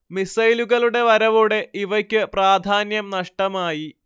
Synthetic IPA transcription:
misɐjluɣɐɭuɽe̞ʋɐɾɐʋoɽe̞iʋɐkʲːɨpraːd̪ʱaːnjɐmnɐʂʈɐmaːji

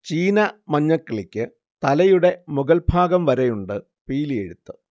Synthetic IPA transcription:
t͡ɕiːnɐmɐɲːɐkːɐɭikʲːɨ | t̪ɐlɐjuɽe̞muɡɐlbʱaːɡɐmʋɐɾejuɳɖɨ | piːlije̞̰ɽut̪ːɨ

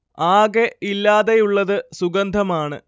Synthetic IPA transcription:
aːɡeilːaːðejuɭːɐðɨsuɡɐnd̪ʱɐmaːɳɨ̰

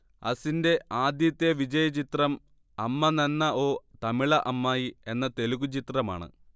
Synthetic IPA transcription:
ɐ̰sinde̞ʔaːd̪jɐt̪ːjɐʋid͡ʑɐjɐt͡ɕit̪rɐm | ɐmːɐnɐnːɐo̞ːt̪ɐmiɭɐʔɐmːaːjie̞nːɐt̪e̞luɣut͡ɕit̪rɐma̰ːɳɨ̰

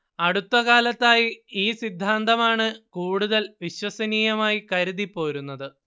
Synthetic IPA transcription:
ɐɽut̪ːɐɣaːlɐt̪ːaːjiiːsid̪ʱːaːnd̪ɐmaːɳɨkuːɽuðɐlʋiɕwɐsɐniːjɐmaːjikɐɾuðipːo̞ːɾunːɐðɨ

